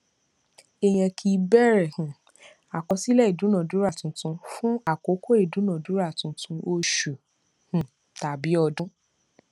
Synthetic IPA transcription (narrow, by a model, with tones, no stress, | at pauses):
e˦˨j̃ɛ̃˧kʰi˧bɛ˦ɾɛ˦˨hũ˨ | a˨kɔ˧˦si˦lɛ˦i˨dũ˨˦nã˨du˨˦ɾa˦˨tũ˨˦tũ˧˦fũ˦a˨ko˨˦ko˦e˨dũ˨˦nã˨dũ˨˦ɾa˦˨tũ˨˦tũ˧o˧ʃu˨ | hũ˨ | ta˨bi˨˦ɔ˧dũ˦